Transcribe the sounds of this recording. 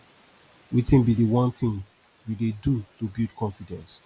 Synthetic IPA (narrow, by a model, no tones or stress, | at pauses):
witĩnbidewɔ̃ntĩŋ | didedutobildkʰɔ̃nfidɛ̃ns